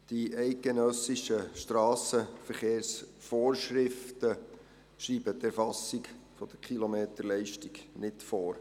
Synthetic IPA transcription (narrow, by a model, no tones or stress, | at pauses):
d̥iɛɪt̚ɡ̥enœsɪʃəʃtrɑːsəfəɾχeːɾsfoːrʃɾɪftə | ʃɾiːbət̪æɾfɑsːik | fɔd̥əɾkʰilomeːtəɾlɛɪʃtiɡnɪtfoːɾ